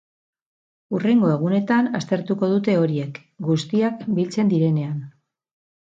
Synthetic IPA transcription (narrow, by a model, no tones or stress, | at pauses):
ure̞ŋɡo̞eɣ̞une̞t̪anast̪e̞ɾt̪uko̞ð̞ut̪e̞o̞ɾie̞k | ɡust̪iakbilt͡se̞nd̪iɾe̞ne̞an